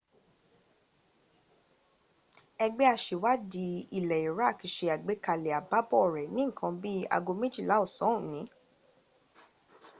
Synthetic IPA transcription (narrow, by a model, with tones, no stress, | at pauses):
ɛ˧ɡ͡bɛ˦a˧˨ʃe˨wa˦di˧˦i˦˨lɛ˨i˨ɾa˦˨ki˨ʃe˧a˨ɡ͡be˨˦ka˧lɛ˨a˨ba˦bɔ˦˨ɾɛ˨nĩ˦˨kʰã˧bi˦a̰˧ɡo˧me˦d͡ʒi˦˨la˨˦o˦˨sɔ̃˨˦ũ˨nĩ˨˦